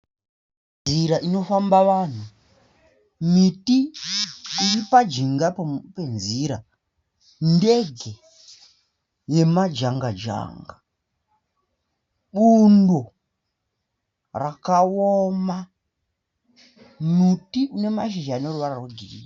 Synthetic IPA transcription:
nziɾaʔino̞fambaʋaːn̤u | mitiː | ripad͡ʒiŋɡape̞nziɾa | nde̞ɡʱe̞ | je̞mad͡ʒaŋɡad͡ʒa̰ːŋɡa | ɓundo | rakaoma | mitiune̞maʃ̬iʒaneruʋararoɡʱirḭːra

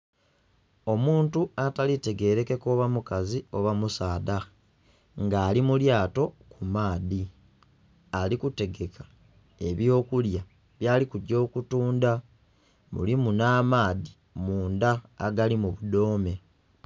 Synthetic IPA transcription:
o̞muːntuatalite̞ɡe̞ɾe̞ke̞koβamukazio̞βamusaːda | ŋɡaːlimuljaːto̞kumaːði | alikute̞ɡe̞kʰḁ | e̞βjo̞ːkulja | βjaːlikuɟo̞ːkutuːnda | mṵlimunaːmaːði | muːnda̰ːɡalimuβudo̞ːme̞

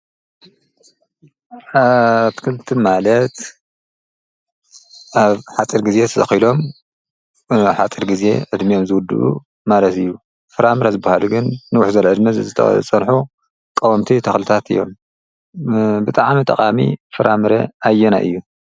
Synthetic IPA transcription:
at̪ʰkʰɨlt̪ʰimalɐt̪ | ʔaβħat͡sʼiɾɡize̞t̪ʰɐzɐ̰xilo̞m | ħat͡sʼiɾɡize̞̰ʕɨd̪mijo̞mzɨwʊd̪ɨ̰ʔṵ | malɐt̪ɨjːu | fɨɾamɨɾɐzɨbːahaluɡɨnːɨwʊħzɐlʕɨd̪mɐzɨ̰t͡sʼɐnħu | kʼɐwɐmt̪ʰit̪ʰɐxlɨt̪ʰat̪ɨ̰jːo̞̰m | bɨt̪ʼaʕmit̪ʼɐ̰qʼamḭfɨɾamɨɾɐʔajːɛna̰ʔɨ̰jːu

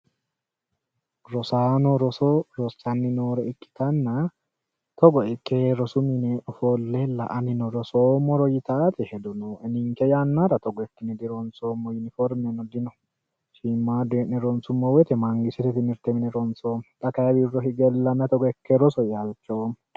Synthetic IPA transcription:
ɾɔsaːnɔɾɔsɔɾɔsːɐnːɪnoːɾɛɪkʼːɪ̥t̪ɐnːɐ | t̪ɔɡɔɛkːeɾɔsʊmɪnɛfɔlːɛlɐ̰ʔɐnɪnɔɾɔsoːmːɔɾɔjɪt̪aːt̪ɛhɛd̪ʊnɔɛnɪŋkɛjanːaɾɐt̪ɔɡɔɛkːɪnɛd̪ɪɾɔnsoːmːɔjɪnɪfɔɾmɛnɔd̪ɪnɔ | ʃiːmːaːd̪eːʔnɛɾɔnsʊmːɔwɛt̪ɛmɐŋɡɪsɛt̪ɛt̪ɪmɪɾt̪ɛmɪnɛɾɔnsoːmᶑ̪ʼɐkɐjɐbirːɔɦɪɡɛlːɐmɛt̪ɔɡɔɛkːɛɾɔsɔjɐlt͡ʃːoːm

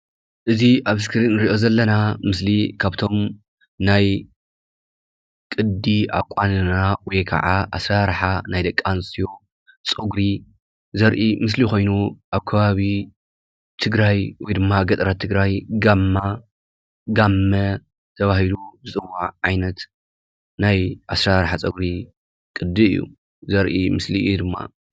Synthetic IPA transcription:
ʔɨziʔaβskʰɨɾinːɨɾiʔo̞zɐlːɐnamɨslikʰaβt̪ʰo̞m | naj | kʼɨd̪ia̰kʷʼːanɨnawɔjkʰɐ̰ʕaʔa̰sɾaɾħanajd̪ɐkʼːansʼijo̞ | t͡sʼoɡɾi | zɐɾʔimɨs̬lixo̞jnuʔaβkʰɐβaβi | t̪ʰɨɡɾajwɔjd̪ɨmːaɡɐt̪ʼɾat̪ʰːɨɡɾajɡamːa | ɡamːɐ | t̪ʰɐβahilubɨt͡sʼɨwːaʕʕajnɐt̪ | najʔasɾaɾħat͡sʼɐɡɾi | kʼɨd̪ːɨɨ̰jːṵ | zɐɾʔḭmɨsliɨjud̪ɨmːa̰

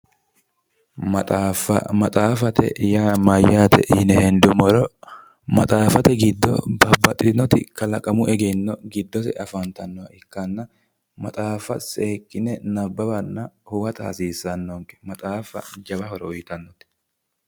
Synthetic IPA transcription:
mɐt̪ʼaːfɐ̰mɐt̪ʼaːfɐt̪ɛ̰jaːmɐjaːt̪ɛʔnɛhɛnd̪ʊmɔɾɔ | mɐ̰t̪ʼaːfɐt̪ɛɡɪd̪ːɔ̰bɐbɐt̪ʼːɪnːɔt̪ɪ̰kɐlɐkʼɐmʊʔɛɡɛnːɔɡɪd̪ːɔsɛ̰ʔɐfɐnt̪ɐnːɔwɐɪkːɐnːɐ | mɐt̪ʼaːfɐsʼeːkʼːɪnɛnɐbːɐbɐnːɐhʊwɐt̪ɐ̰ːsiːsɐnːɔŋkʼɛ̥mɐt̪ʼaːfɐ̰d͡ʒɐβɐhɔɾɔʊjt̪ɐnːɔt̪ɪ̥

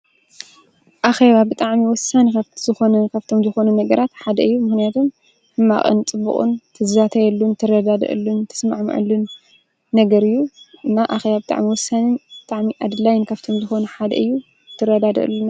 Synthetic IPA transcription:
ʔaxeβabɨt̪ʼaʕmiwɔsːanikaβz̥ɨxo̞nɐnkʰaβt̪ʰo̞mzɨxo̞nunɐɡɐɾat̪ħad̪ɐɨjːumɨxnijat̪ʰo̞m | hɨmːa̰χʼɨ̰nt͡sʼɨbːɨ̰χʼṵnt̪ʰɨzat̪ʰɐjɛlːunt̪ʰɨɾɐd̪ad̪ɐ̰ʔɨ̰lːunt̪ʰɨ̥sma̰ʕmɐ̰ʕɨ̰lːunː | ɐɡɐɾɨjːuʔɨnːaʔaxeβabɨt̪ʼa̰ʕmiwɔsːanɨnbɨt̪ʼaʕmiʔad̪ɨlajɪnkʰaβt̪ʰo̞mzɨxo̞nuħad̪ɐ̰ʔɨjːu | t̪ʰɨɾɐd̪ad̪ɐ̰ʔɨ̰lːunːa

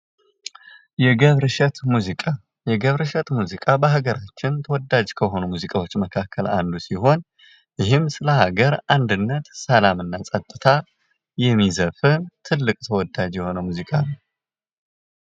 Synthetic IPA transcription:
jɛɡəβɾɨʃɛt̪muzikʼa | jɛɡəβɾɨʃɛt̪muzikʼabəɦaɡəɾat͡ʃːɪnt̪ʰəwɔd̪ːad͡ʒkʰəɦo̞numuzikʼawo̞t͡ʃːməkʰakʰːəla̰nd̪usiɦo̞n | jɪɦɨmsɨləhaɡəɾʔand̪ɨnːət̪səlamɨnːasʼət̪ʼːɨt̪ʰa | jɛmːizəfɨnt̪ʰɨlːɨkʼt̪ʰəwɔd̪ːad͡ʒjɛho̞nəmuzikʼanə

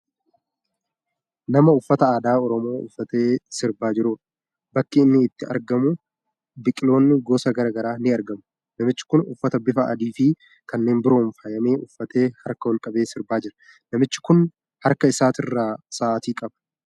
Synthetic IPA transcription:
nɐmɐʊfːɐt̪ɐaːd̪aːɔɾɔmo̞ːʔʊ̰fːɐt̪e̞ːsɪɾbaːd͡ʒɪɾuːᶑɐ̥ | bɐkːɪːnːɪːt̪ːɪɐ̰ɾɡɐmʊ | bɪkʼɪlo̞ːnːɪɡoːsɐɡɐɾɐɡɐɾaːnɪɐɾɡɐmʊ̥ | nɐmɪt͡ʃːɪ̥kʊnʊ̰fːɐt̪ɐbɪfɐʔɐ̰d̪iːfɪ | kɐnːe̞ːnbɪɾo̞ːnfɐjɐme̞ːʔʊfːɐt̪e̞ːhɐɾkɐwɔlkʼɐbe̞ːsɪɾbaːd͡ʒɪɾɐ̥ | nɐmɪt͡ʃːɪ̥kʊn | hɐɾkɐɪsaːt̪ɪrːaːsaːʔt̪iːkʼɐbɐ̥

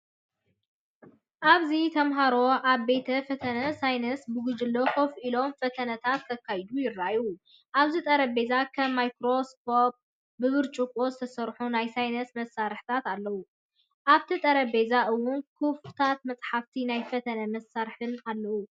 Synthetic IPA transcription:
ʔaβzit̪ʰɐmɦaɾo̞ʔaβbe̞t̪ʰɐfɐt̪ʰɐnɐsajnɐsbɨɡɨd͡ʒɨlːokofʔilo̞mfɐt̪ʰɐnɐt̪ʰat̪ːɐkʰːajd̪ujɪrːaju | ʔaβzit̪ʼɐɾɐbe̞zakʰɐmːajkɾo̞skʰop̚ | bɨβɨɾt͡ʃʼukʼo̞zɨt̪ʰɐsɐɾħunajsajnɐsmɐsːaɾħt̪ʰat̪alːɐwu | ʔaβt̪ʰit̪ʼɐɾɐbe̞zaʔɨwːʊnkʰɨft̪ʰat̪̚mɐt͡sʼħaft̪ʰinajfɐt̪ʰɐnɐmɐsaɾħɨnalːɐwu

